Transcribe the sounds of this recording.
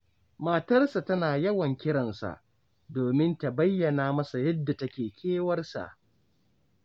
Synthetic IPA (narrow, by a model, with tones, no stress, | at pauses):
maː˨tɐ˦rsa˨tɐ˦naː˨jɐ˦wɐ˨ŋkʲɪ˦ɽɐ˨nsa̰˨ʔ | doː˨mɪ˦nta˨bɐ˦jːɐ˨naː˦mɐ˦sa˨jɐ˦dːa˨tɐ˦kʲeː˨kʲʰeː˦wɐ˦rsa̰˨ʔ